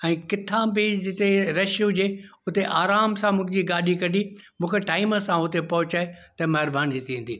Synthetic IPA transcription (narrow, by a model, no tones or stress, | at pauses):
ɛ̃ːkɪt̪ʰãbɪd͡ʑɪt̪eɾɐʃjũd͡ʑeː | ʊt̪eʔaːɾaːmsãmʊ̃ɪ̃d͡ʑiɡaːɗʱikɐɗi | mũːkʰeʈaːɪməsãʊt̪epɐɦʊt͡ɕaːet̪ɐmɐɦɪɾbʱaːnd͡ʑit̪iĩːn̆d̪iː